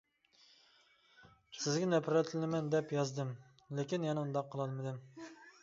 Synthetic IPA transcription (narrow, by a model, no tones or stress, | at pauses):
sɪzɡʲɛnɛpʰɾɛt̪ʰɪlɪmɛnd̪ɛpjɑzd̪ɨm | lekʲinjɛnɛund̪ɑqʰːəlˠɑlˠmɨd̪ɨm